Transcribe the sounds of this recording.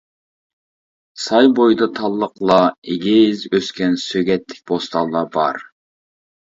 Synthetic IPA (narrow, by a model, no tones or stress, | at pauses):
sɑjbojd̪ɑt̪ʰɑlˠːəqlˠɑeɡʲɪzøskʲɛnsøɡʲɛt̪ʰːɪ̥k̚ʲb̥ost̪ɑlˠːɑbɑ̰ɾ